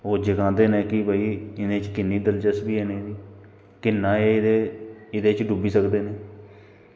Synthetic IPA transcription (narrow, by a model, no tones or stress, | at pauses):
oːd͡ʒəkãːd̪eːnẽːkɪbaiːɪnẽːt͡ʃkɪnːiːd̪əld͡ʒəsbiːɛːneːd̪iː | kɪnːãːeːeɪd̪eːt͡ʃɖubiːsəkd̪eːneː